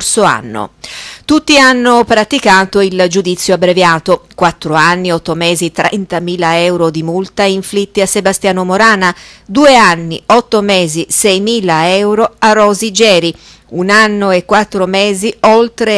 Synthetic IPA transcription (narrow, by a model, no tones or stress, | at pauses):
soa̰nːo̰t̪ut̪ːianːopɾat̪ikaːt̪oild͡ʒud̪it̪sːjoabːɾevjaːt̪okwat̪ːɾoanːiɔt̪ːomɛːzit̪ɾɛ̰nt̪amiːlaɛwɾod̪imult̪aiɱflit̪ːiasːebast̪jaːnomoɾaːnad̪uːeanːiɔt̪ːomɛːzisɛjmiːlaɛwɾoarːɔːzid͡ʒɛːɾi | unanːoekːwat̪ːɾomɛːziɔlt̪ɾe